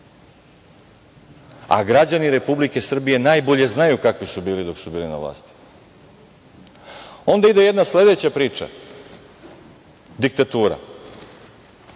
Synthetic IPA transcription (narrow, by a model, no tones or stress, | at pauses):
a̰ɡɾad͡ʑaniɾe̞publike̞sr̩bije̞najbo̞ʎe̞znajukakʋisubiːlid̪o̞ksubiːlina̰vla̰ːst̪i̥ | o̞nd̪aid̪e̞je̞d̪nasle̞d̪e̞t͡ɕapɾiːt͡ʂa̰ | d̪ik̚t̪at̪uːɾa̰